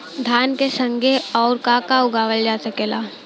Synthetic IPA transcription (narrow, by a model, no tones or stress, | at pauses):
d̪ʱaːnkesə̃ŋɡʱeɔːɾkaːkaʊɡaːʋəld͡ʒaːsəkeːlaː